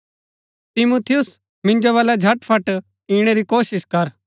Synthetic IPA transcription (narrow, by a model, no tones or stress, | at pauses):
t̪ɪmut̪ʰɪjʊs | mɪ̃nd͡ʒoʋaːlad͡ʒʱɐʈpʰɐʈ | iːɽ̃eɾikoːsɪskɐɾ